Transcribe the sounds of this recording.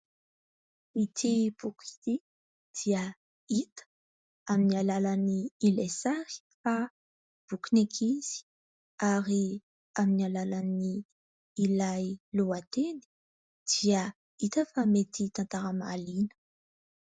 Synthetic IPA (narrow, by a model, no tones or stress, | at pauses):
it̪ʰib̥uki̥t̪i | d̪̥iə | it̪ə̥ | aminialalaniilesaɾi̥ | fa | b̥ukunekʰiz̥i̥ | aɾi | aminialalaniː | lajluat̪eni̥ | d̪̥iə | it̪əfamet̪it̪ant̪aɾama̰linə̥